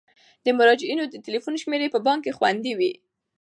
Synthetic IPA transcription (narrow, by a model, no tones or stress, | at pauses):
d̪əmʊɾɑd͡ʒɪinod̪ət̪ilifunʃmeɾepəbɑŋkːexwand̪iwi